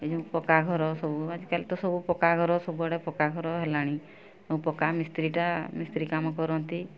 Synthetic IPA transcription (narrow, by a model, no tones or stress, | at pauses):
ed͡ʒɔ̃ũpɔkaɡʱɔɾɔsɔbuad͡ʒikalit̪ɔsɔbupɔkaɡʱɔɾɔsɔbuaɽepɔkaɡʱɔɾɔɦelaɽ̃ĩ | ũpɔkamist̪ɾiʈamist̪ɾikamɔkɔɾɔnt̪i